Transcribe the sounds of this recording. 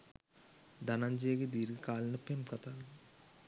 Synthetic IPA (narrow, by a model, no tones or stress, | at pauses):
d̪ɐnɐɲd͡ʒeːɡid̪iːɾɡikaːlinɐpemkɐt̪aːlu